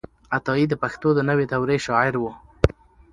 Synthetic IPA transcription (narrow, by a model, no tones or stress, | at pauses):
at̪ɑid̪əpaxt̪od̪ənəwet̪awɾeʃɑɪɾwə